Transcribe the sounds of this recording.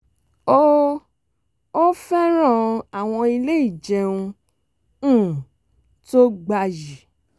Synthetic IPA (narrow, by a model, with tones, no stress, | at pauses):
o˦ | o˦fɛ˦ɾ̃ã˦˨˧a˨w̃ɔ̃˧i˧le˦i˦˨d͡ʒɛ˧ũ˧ | ũ˦˨ | to˦ɡ͡ba˧ji˨